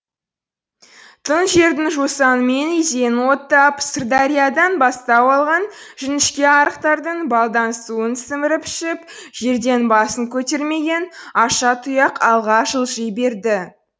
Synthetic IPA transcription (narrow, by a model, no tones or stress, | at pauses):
t̪ʰənʒe̞ɾd̪ɪŋʒosɑnəme̞nizenwo̞t̪ːɑpst̪ərd̪aɾʲijad̪ɑnbɑst̪ɑpɑlˠʁɑnʒʏnɪʃkʲe̞ɑɾəqt̪ɑɾd̪əɴbɑlˠd̪ɑnəsuənsɪmɪɾɪpʰɪ̥ʃɪpʒ̥e̞ɾd̪e̞nbɑsəŋkʲʰɵt̪e̞ɾme̞ɡʲe̞nɑʃɑt̪ʰujɑqɑlˠʁɑʒəlˠʒijbe̞ɾd̪ɪ